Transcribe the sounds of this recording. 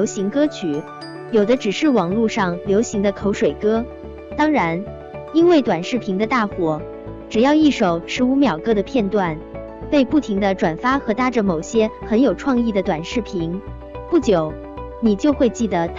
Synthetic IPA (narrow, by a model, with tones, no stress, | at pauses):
o˧˥ʊɕi˧˥ŋkɤ˥t͡ɕʰy˨˩ | jo˨˩ʊd̪ə˦ʈ͡ʂɻ̩˨˩ʂɻ̩˥˩wɑ˨˩ŋlu˥˧ʂɑ˥˩ŋljo˧˥ʊɕi˧˥ŋd̪ə˧kʰo˧˥ʊʂwe˨˩ɪkɤ˥ | t̪ɑ˥ŋɻa˧˥n | i˥nwe˥˩ɪt̪wa˨˩nʂɻ̩˥˩pʰi˧˥ŋd̪ə˧t̪a˥˩xwɔ˨˩˦ | ʈ͡ʂɻ̩˨˩jɑ˥˧ʊi˥˩ʂo˨˩ʊʂɻ̩˧˥u˧˥mjɑ˨˩ʊkɤ˥ɾə˨pʰjɛ˥˧nt̪wa˥˩n | pe˥˧ɪpu˥˩t̪ʰi˧˥ŋd̪ə˧ʈ͡ʂwa˨˩nfa˥xɤ˧˥t̪a˥ʈ͡ʂə˧mo˨˩ʊɕjɛ˥xə˧˥njo˨˩ʊʈ͡ʂʰwɑ˥˧ŋi˥˩d̪ə˩t̪wa˨˩nʂɻ̩˥˩pʰi˧˥ŋ | pu˥˩t͡ɕjo˨˩˦ʊ | ni˨˩t͡ɕjo˥˧ʊxwe˥˧ɪt͡ɕi˥˩d̪ə˩t̪ʰ